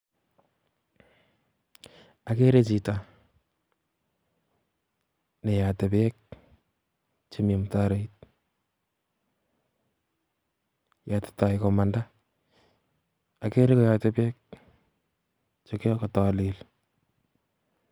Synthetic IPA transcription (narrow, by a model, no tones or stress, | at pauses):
akeɾet͡ʃita | nejatɛpeːk̚ | t͡ʃemimtaɾeit̚ | jate̥tajkomanda | akeɾekɔjatɛpeːk̚ | t͡ʃokekɔtalɪl